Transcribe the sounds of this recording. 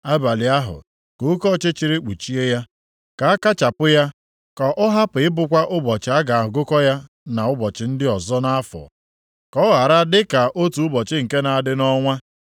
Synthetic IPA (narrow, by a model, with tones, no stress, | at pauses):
a˦ba˨li˨a˦ɦʊ̰˨ | ko˨˦kɔ˦˨t͡ʃe˦t͡ʃi˨ɾi˦k͡pu˨t͡ʃi˦e˦ja˦ | ka˨a˦ka˦t͡ʃa˨pʊ˦ja˦ | kɔ˨ʔʊ˦ɦa˦pʊ˨ɪ˦bʊ˨kʷa˦ʔʊ˦bɔ˨t͡ʃɪ˨a˦ɡa˨a˨ɦʊ˨ɡʊ˦kɔ˦ja˦ | na˨ʊ˦bɔ˨t͡ʃɪ˨n̩˦dɪ˦ɔ˨zɔ˦na˦a˦fɔ̰˨ | kɔ˦ɣa˨ɾa˦dɪ˦ka˨ʔo˦tu˨ʊ˦bɔ˨t͡ʃɪ˦ŋ̩˨ke˦na˨a˨dɪ˦nɔ˦ŋʷa˦